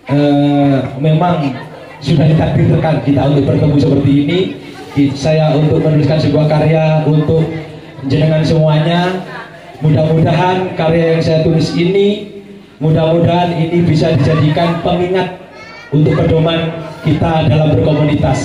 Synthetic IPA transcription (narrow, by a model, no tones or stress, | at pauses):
ʔəːmemaŋ | sudahdit̪ak̚dɪrt̪ərkankit̪aunt̪ʊk̚bərt̪əmbusəpərt̪iːni | sajaunt̪ʊk̚mənulɪskansəbuahkaɾejaunt̪ʊk̚ | d͡ʒənəŋansəmuaɲa | mudahmudaɦankaɾejajaŋsajat̪ulɪsini | mudahmudaɦaninibisadid͡ʒadikanpəŋiŋat̪̚ | unt̪ʊk̚pərdomankit̪adalambərkomunit̪as